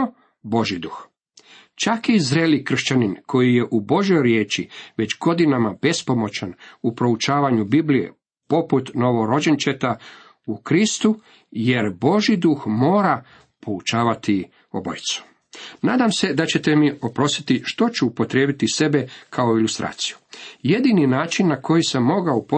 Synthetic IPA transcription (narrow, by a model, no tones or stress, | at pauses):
bo̞ʒid̪uːx | t͡ʃakizɾelikr̩ʃt͡ɕaninkʰo̞jije̞ʔubo̞ʒjo̞jɾje̞ːt͡ʃiʋe̞t͡ɕɡo̞d̪inamab̥e̞spo̞mo̞t͡ɕanupɾo̞ut͡ʃaːʋaɲubiblijḛ | po̞put̪no̞ʋo̞ɾo̞d͡ʑent͡ʃet̪a | ukɾist̪u | je̞ɾbo̞ʒid̪uxmo̞ːɾa | pʰo̞ut͡ʃaːʋat̪i | o̰bo̰jit̪su̥ | naːd̪amse̞d̪at͡ɕe̞t̪e̞mio̞pɾo̞st̪i̥t̪iʃt̪o̞t͡ɕuːpo̞t̪ɾjeːbit̪ise̞be̞kʰaoilust̪ɾʔa̰ːt̪si̥ju̥je̞d̪ininaːt͡ʃinːako̞jisemːo̞ɡaupo